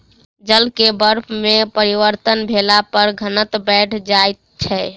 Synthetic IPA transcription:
d͡ʒəlkebəɾpʰmepəɾiʋəɾt̪ənbʱelapəɾɡʱənət̪bɛʈʰd͡ʒaet̪̚t͡ʃʰɛ

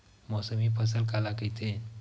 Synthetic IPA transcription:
mɔsəmipʰəs̬əlkalakəjt̪ʰe

